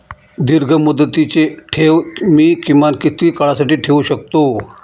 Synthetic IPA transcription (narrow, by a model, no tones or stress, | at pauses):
d̪iɾɡʱəmud̪ət̪it͡ɕeʈʰeʋmiːkĩʋankit̪iːkəɭasaʈiːʈʰeuɕək̚t̪o